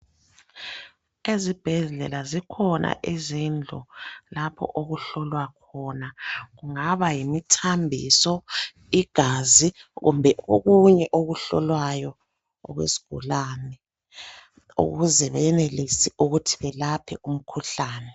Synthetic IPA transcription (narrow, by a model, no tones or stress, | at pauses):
ezib̥ʱɛɮɮɛlazikʰɔnʔa̰ʔizind͡ɮʱɔ̰lapʰɔ̰ʔoɣuɬɔlwakʰɔnaɣuŋaβajimitʰambʱḭsɔ | iɡ̥ʱaːziɣṵmbʱɛʔoɣuɲɛʔoɣuɬɔlwajɔ | ɔ̰ɣwḛsi̥ɡ̥ʱṵlaːnɛ | ṵɣuzɛβɛjɛnelisiuɣutʰiβɛlapʰɛum̩kʰuɬaːnɛ